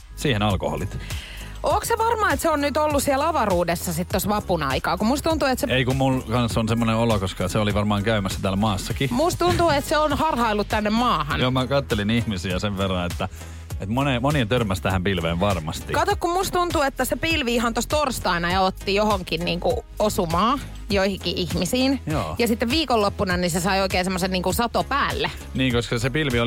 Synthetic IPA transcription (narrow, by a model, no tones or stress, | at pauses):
siːhenɑlko̰ho̰lit̪ | ʔoːkseʋɑrmɑːet̪seonnyt̪olːusielɑʋɑruːdesːɑsit̪t̪osʋɑpunɑikɑːkumust̪unt̪uet̪seeikummulkɑnsːonsemːoneolokoskɑːseoliʋɑrmɑːŋkæymæsːæt̪æːlmɑːsːɑkimust̪t̪unt̪uet̪seonhɑrhɑilːut̪t̪ænːemmɑːhɑnjomækɑt̪ːelinihmisiæseʋʋerːɑet̪ːæ | et̪monemoniɑt̪ørmæst̪æhæmpilʋeːʋʋɑrmɑst̪ikɑt̪okkummust̪t̪unt̪uet̪ːæsepilʋiihɑnt̪ost̪orst̪ɑinɑjɑot̪ːijohoŋkinniːŋku | osumɑː | joihiŋkiʔihmisiːnjo̰ːjɑsit̪ːeʋʋiːkolːopːunɑnisesɑioikeːnsemːoseniːŋkunsɑt̪opæːlːe | niːŋkoskɑsepilʋio